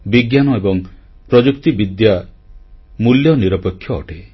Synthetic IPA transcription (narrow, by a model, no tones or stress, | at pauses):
biɡjanɔebɔŋ | pɾɔd͡ʒukt̪ibid̪ja | muljɔniɾɔpekʰːjɔ̰ːʈe